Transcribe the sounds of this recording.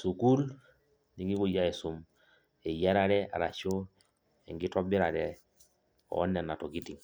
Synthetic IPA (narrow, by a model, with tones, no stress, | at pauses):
su˨ku˦l | ni˦ŋɡi˦ko˨ja˦e˨su˨m | ɛ˨ja˦ɾa˨ɾɛ˦ʔa̰˨ɾa̰˨t͡ʃo˦ | ɛ̰˨ŋɡi˦tɔ˦bi˦ɾa˨ɾɛ˨ | ɔ̰˨˦nɛ˨na˨tɔ˨ki˦ti˨ŋ